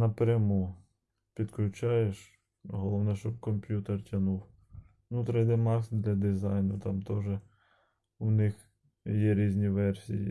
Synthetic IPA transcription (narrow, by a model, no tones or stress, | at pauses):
nɐpɾʲɐmu | pʲid̪klʲʊt͡ʃɑjeʃ | ɦɔlˠɔʋnɛʃt͡ʃɔb̚kɔmpʲjut̪ertʲɐnuw | nut̪ɾɛjd̪ɛmɑsd̪lʲɐd̪ɪzɑjnʊt̪ɑmt̪ɔʒɛ | ʊnɪx | jɛɾʲizʲnʲiʋɛrsʲijḭ